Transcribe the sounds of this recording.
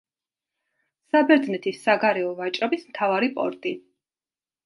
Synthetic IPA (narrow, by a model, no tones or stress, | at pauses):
sabɛɾd̪znɛt̪ʰisːaɡaɾɛɔvat͡ʃʼɾɔbismt̪ʰavaɾipʼɔ̰ɾt̪ʼi